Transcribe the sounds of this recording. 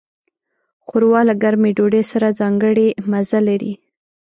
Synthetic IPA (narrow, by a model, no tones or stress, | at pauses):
xoɾwɑlaɡaɾmeɖoɖesaɾazɑŋɡəɽemazalaɾḭ